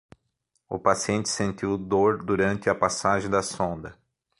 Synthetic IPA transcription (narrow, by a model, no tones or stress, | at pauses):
ʊ̰pasiẽnt̪ɪ̥sẽnt̪iwd̪oɾd̪uɾɐ̃nt̪ɪɐpasaʒẽj̃d̪ɐsõnd̪ɐ